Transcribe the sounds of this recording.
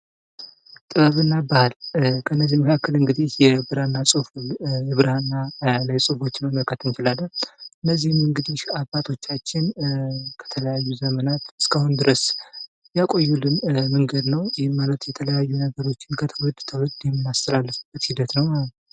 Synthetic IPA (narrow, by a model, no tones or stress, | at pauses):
t̪ʼɨβəβɨnːabahalkʰənːəzːiməkʰakːəlɨŋɡɨd̪ihjɛbɨɾanːasʼɨfulɨβɨɾanːaləsʼɨfo̞t͡ʃːnməməlkʰət̪ɨnt͡ʃɪlalːəɨnːəzːihmɨŋɡɨd̪ihabːat̪ʰo̞t͡ʃːat͡ʃːɪnkʰə̥t̪ʰələjajːuzəmənat̪ɨskʰahʊnd̪ɨɾəs | jakʼo̞jːulɨmmɨŋɡəd̪nəwjɪhɪmmalət̪jɛt̪ʰələjajːunəɡəɾo̞t͡ʃːɪnkʰət̪ʰəwɔd̪t̪ʰəwɔd̪jɛmːɨnːast̪ʰəlalːəfɨb̥ːət̪hid̪ət̪nəwmaət̪